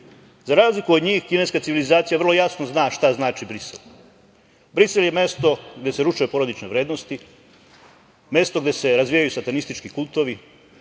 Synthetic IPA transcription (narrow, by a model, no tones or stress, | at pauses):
zaɾaːzlikuod̪ɲiːxkine̞skat̪siʋilizaːt̪sijar̩lˠo̞jasnoznaːʃt̪aznaːt͡ʃibɾisḛl | bɾiselje̞me̞st̪o̞ɡd̪e̞seɾuʃujupo̞ɾod̪it͡ʃneʋɾe̞ːd̪nost̪i | mje̞st̪o̞ɡd̪e̞se̞ɾazʋijajusat̪anist̪it͡ʃkikulˠt̪o̞ʋi